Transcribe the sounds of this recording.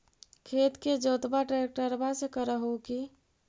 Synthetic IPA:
kʰet̪ked͡ʒot̪baʈɾek̚ʈəɾbasekəɾəɦoki

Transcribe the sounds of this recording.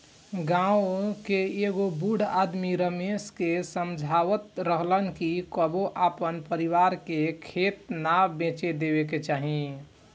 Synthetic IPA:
ɡãokeeɡobuɽ̤ad̪miɾəmeskesəmd͡ʒʱaʋət̪ɾəɦlənkikəboʔapənpəɾiʋaɾkekʰet̪nabẽt͡ʃed̪ebek̬et͡ʃaːɦĩ

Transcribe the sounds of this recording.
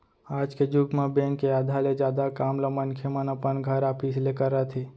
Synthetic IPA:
aːd͡ʒked͡ʒʊɡmãbẽŋkːeaːd̪ʱaled͡ʒjaːd̪akaːmlamənkʰemənɐpənɡʱəɾaːpʰislekəɾːət̪ʰeː

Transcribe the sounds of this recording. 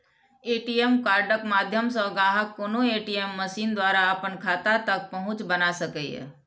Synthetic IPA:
eːʈiemkaːɾɖəkmaːd̪ʱjəmsɔɡaːɦəkːoːnoeːʈiemːəsiːnd̪waːɾaəpənkʰaːt̪at̪ək̚pɐɦʊ̃t͡ʃbənasəkɛɛ̰

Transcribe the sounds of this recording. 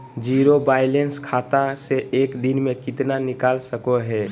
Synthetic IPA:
d͡ʒiɾobaːɪlenskʰaːt̪aseʔeːkd̪inmẽkɪt̪nanɪkaːlsəkoɦɛː

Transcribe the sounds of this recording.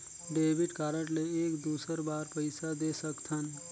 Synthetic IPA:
ɖebʱiɖkaɾəʈleːkd̪usəɾbaɾpəjsad̪esəkt̪ʰən

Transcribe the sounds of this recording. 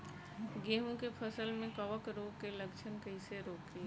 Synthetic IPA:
ɡeːɦũkepʰəsəlmẽkəʋəkɾoːɡ̚keləkt͡ʃʰənkəɪseɾoːkɾi

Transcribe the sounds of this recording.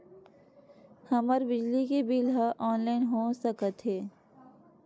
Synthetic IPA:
hɐməɾbɪd͡ʒlikebilɦaʔɔːnlaːɪnɦosəkət̪ɦɛː

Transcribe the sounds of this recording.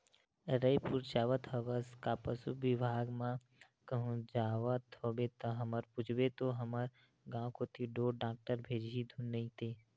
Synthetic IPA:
ɾəipuɾt͡ʃaːʋət̪ɦəʋəskapəsṵbɪbʱaːɡmã | kəɦũd͡ʒaːʋət̪ɦobet̪əɦəməɾpʊd͡ʒʰbet̪oɦəməɾ | ɡãːkoːt̪iɖoːɖãːk̚ʈəɾbʱeːd͡ʒid̪ʱũnəĩt̪e

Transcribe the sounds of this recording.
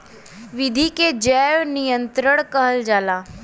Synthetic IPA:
ʋɪd̪ʱiked͡ʒɛːʋnijə̃nt̪ɾəɽ̃kəɦəld͡ʒaːlaː

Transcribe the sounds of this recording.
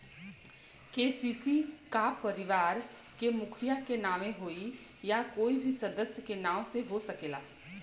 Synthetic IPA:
keːsiːsikapɐɾɪʋaːɾ | kemʊkʰɪjakenaːʋẽɦoːi | jakoːibʱisɐd̪əsjəkenaːõseɦosɐkeːlaː

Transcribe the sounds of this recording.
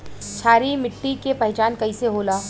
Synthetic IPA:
t͡ʃʰaːɾimɪʈːikepɐɦt͡ʃaːnkɐiseɦoːlaː

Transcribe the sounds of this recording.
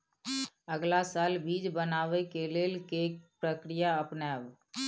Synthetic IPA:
əɡlasaːlbiːd͡ʒbənaːʋekeleːlkek̚pɾəkɾijaəpnaːb

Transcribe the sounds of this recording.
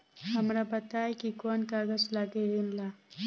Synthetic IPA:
ɦəmɾabət̪ajkikonkaɡəslaɡeʋinla

